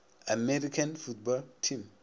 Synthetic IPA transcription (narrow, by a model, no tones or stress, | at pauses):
amɛɾikãnfut̚bɔltʰĩm